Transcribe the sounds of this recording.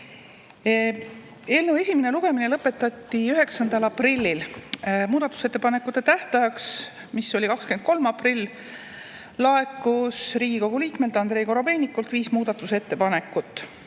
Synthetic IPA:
e̞ːlnəwe̞sʲimeneluɡ̥e̞mine̞lɤpːˑet̪ːˑɑt̪ːiyɦe̞ksɑnd̪̥ɑlɑprilʲːilmuːd̪ɑt̪ːˑu̥se̞t̪ːˑepɑnekːˑut̪ːˑe̞t̪æht̪ɑjɑks | misːo̞lʲikɑkske̞nd̪̥̚ko̞lmɑprilː | lɑe̞kːusriːɡ̥iko̞ɡ̥uliːkme̞lt̪ɑnd̪ɾe̞ːjko̞ɾobe̞ːnʲikːˑult̪viːsmuːd̪̥ɑt̪ːˑuse̞t̪ːe̞pɑne̞kːˑut̪ːˑ

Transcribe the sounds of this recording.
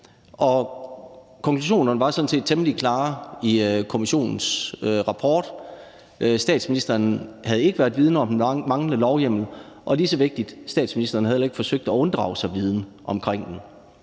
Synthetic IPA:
ʔɒ̽ | kʰɒ̽ŋkʰluɕ̬o̝̰ːnɐnəʋɑ̈sɒ̽n̩sʰe̝̰ːd̥̚t͡sʰeməlikʰlɑ̈ːikʰo̝miɕo̝̰ːnn̩søʁɑ̈pʰɒ̰ːd̥ | ʔsd̥ɛ̰ːd̥sminisd̥ɐːnhæð̞̩ˠe̝ɡ̥əʋæːɐdˠʋið̞ˠn̩əɒ̽m̥mɑ̈ŋləlɒʊjem̰l̩ | ʔɒ̽lisəʋe̝ɡ̥̚d̥id̥sd̥ɛ̰ːd̥sminisd̥ɐːnɦæðˠelɐeɡ̥fɒ̽søɡ̥̚d̥æɔ̽nd̥ʁɑ̰̈ʊsɑ̈ɪʋið̞ˠnə | ʔɒ̽mkʰʁeŋ̰d̥en

